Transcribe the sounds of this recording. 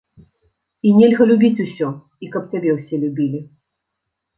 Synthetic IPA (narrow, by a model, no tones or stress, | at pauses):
inʲɛlʲɣɐlʲubʲit͡sʲusʲɔ | ikɐp̚tʲabʲɛwsʲɛlʲubʲilʲi